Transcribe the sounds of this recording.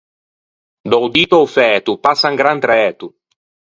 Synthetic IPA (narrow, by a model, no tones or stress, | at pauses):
d̪ɔwd̪iːt̪owfɛːt̪upasaŋɡɾant̪ɾɛːt̪u